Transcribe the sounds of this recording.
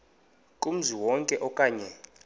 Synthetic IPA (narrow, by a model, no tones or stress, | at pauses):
kʼum̩ziwɔŋkʼɛʔɔkʼaːɲɛ